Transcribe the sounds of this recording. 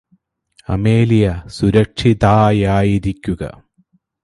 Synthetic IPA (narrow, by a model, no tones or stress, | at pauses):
ɐ̰meːlijɐsuɾɐkʂiðaːjaːjiɾikʲːuɡɐ̰